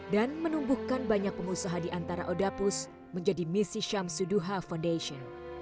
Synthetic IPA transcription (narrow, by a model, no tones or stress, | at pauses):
danmənumbuhkanbaɲak̚pəmusaɦandiʔant̪aɾa̰ʔodapus | məɲd͡ʒadimisiʃamsuduɦafandaʃiɔn